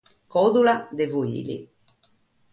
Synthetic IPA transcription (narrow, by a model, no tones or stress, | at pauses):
kɔd̪ulad̪evuḭːlḭ